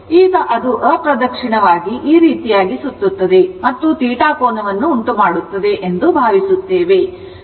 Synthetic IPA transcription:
iːɡɐʔɐd̪uʔɐpɾɐd̪ɐkʂiɳɐʋaːɡiʔiːɾiːt̪ijaːɡisut̪ːut̪ːɐd̪e̞mɐt̪ːut̪iːʈaːkoːnɐʋɐnːuːɳʈumaːɽut̪ːɐd̪e̞ʔend̪ubʱaːʋisut̪ːeːʋe̞

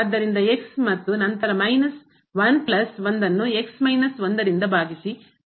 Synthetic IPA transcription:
d̪ːɐɾind̪ɐe̞ksmɐt̪ːunɐnt̪ɐɾɐmɐjnɐs | ʋɐnplɐsʋond̪ɐnːue̞ksmɐjnɐsʋond̪ɐɾind̪ɐbʱaːɡisi

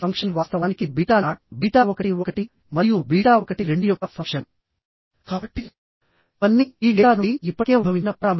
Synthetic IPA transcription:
ɐŋkʂɐnʋaːst̪ɐʋaːnikibiːʈaːbiːʈaːɔkɐʈiɔkɐʈi | mɐɾijubiːʈaːɔkɐʈiɾe̞ɳɖujɔkːɐpʰɐʂɐn | kaːbɐʈːi | ɐnːiiːɡeːaːnuiipːɐʈeːbʱɐʋinɐpɾaːm

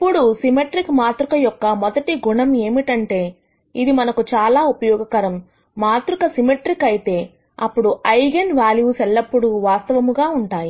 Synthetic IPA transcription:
ɐpːuɽusimeʈɾikmaːt̪ɾukɐjɔkːɐmɔd̪ɐʈiɡuɳɐme̞ːmiʈɐɳʈe̞ː | id̪imɐnɐkut͡ʃaːlaːupɐjɔːɡɐkɐɾɐmː | aːt̪ɾukɐsimeʈɾikɐjit̪e̞ː | ɐpːuɽuʔɐjɡenʋaːljusɛlːɐpːuɽuʋaːst̪ɐʋɐmuɡaːuɳʈaːji

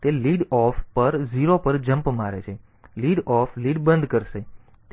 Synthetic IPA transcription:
t̪eliɖɔfpəɾd͡ʒiɾopəɾd͡ʒəmpmaɾet͡ʃʰe | liɖɔfliɖbənd̪ʱkəɾʃe | t̪

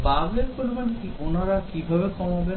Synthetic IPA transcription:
baɡleɾpoɾibankiʔonaɾakibʱabekɔmabe

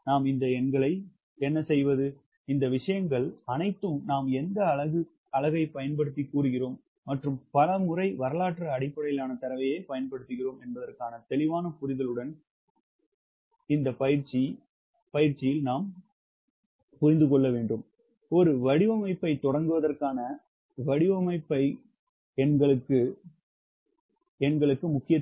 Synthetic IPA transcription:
naːmɪnd̪ɐɛɳɡɐɭɐɪ | ɛnːɐsɛjʋɐðɯ | ɪnd̪ɐʋɪʂɐjɐŋɡɐɭɐnɐɪt̪ːɯmnaːmɛnd̪ɐːɭɐɣɯ | ɐɭɐɣɐɪpɐjɐnpɐɽɯt̪̬ːikːuːɾɯɣɪroːmː | ɐʈrɯmpɐlɐmʊrɐɪʋɐɾɐlaːʈrɐːɽɪpːɐɽɐjɪlaːnɐt̪ɐɾɐʋɐjeːpɐjɐnpɐɽɯt̪ːɯɣɪroːmɛnbɐðɐrkaːnɐt̪ɛlɪʋaːnɐpʊɾɪðɐɭɯɽɐn | ɪnd̪ɐpɐjɪɾt͡ʃːi | pɐjɪɾt͡ʃːɪjɪlnaːm | pʊɾɪnd̪ɯkɔɭːɐʋeːɳɖɯm | ɔɾɯʋɐɽɪʋɐmɐɪpːɐɪt̪ɔɽɐŋɡɯʋɐðɐrkaːnɐ | ʋɐɽɪʋɐmɐɪpːɐɪ | ɛnɡɐɭɯkːɯ | ɛnɡɐɭɯkːɯmʊkːɪjɐ

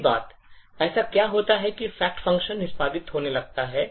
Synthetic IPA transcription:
ba̰ːt̪ | ɛːsakjaːɦoːt̪aɦɛkifɛːk̚ʈfɐ̃ŋkʃənːɪspaːd̪ɪt̪ɦoːnelɐɡ̚t̪aɦɛː

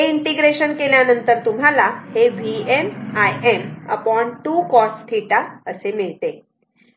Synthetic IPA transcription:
ɦeiɳʈiɡɾeɕənkeljanənt̪əɾt̪um̤alaheʋʱiemajemə̰pɔɳʈuːkɔst̪ʰiʈaəsemiɭt̪e

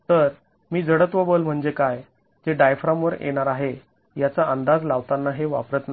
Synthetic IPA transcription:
t̪əɾ | miːd͡zəɽət̪ʋəbəlm̤əɳd͡zekaj | d͡zeɖajfɾãmʋəɾʔḛɽ̃aɾaɦe | jat͡saʔənd̪ad͡zlaʋt̪anːaɦeʋa̰pɾət̪n

